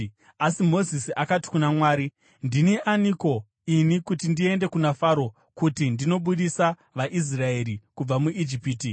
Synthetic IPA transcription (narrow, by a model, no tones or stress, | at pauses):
asimo̞zisiʔakati̥kunamwaːɾi | ndineʔaniko̞ | inikutindie̞nde̞kunafaɾo̞ | kutindino̞ɓuɗisa | ʋaʔis̬rae̞ːɾikub͡vamuʔid͡ʒipiːti